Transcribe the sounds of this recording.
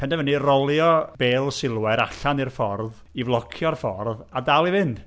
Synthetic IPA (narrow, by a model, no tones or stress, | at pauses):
pʰɛndɛvənirɔlˠjɔbeːlˠsɪlˠwɛɾaɬanɨrfɔrð | ivlˠɔkʰjɔrfɔrðadalˠivɪnd̥